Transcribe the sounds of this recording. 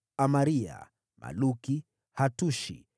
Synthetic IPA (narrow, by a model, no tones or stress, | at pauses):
amaɾia̰ | ma̰luki | hatuʃḭ